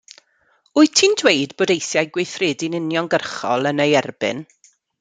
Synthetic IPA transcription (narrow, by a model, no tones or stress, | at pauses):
ʊɨtʰiːndwejdboːdejθjajɡwejθrɪːdinɪnjɔnɡərχɔ̰lˠənejɛrbɪ̰n